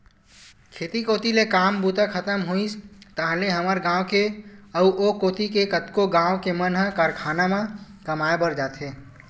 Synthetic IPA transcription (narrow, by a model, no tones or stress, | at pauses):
kʰeːt̪ikoːt̪ilekaːmbuːt̪akʰət̪əmɦuist̪aːɦleɦəməɾɡãːwkeəuʔokoːt̪ikekət̪koɡãːokemənɦə̃kaːɾkʰaːnamãkəmaebəɾd͡ʒaːt̪ɦeː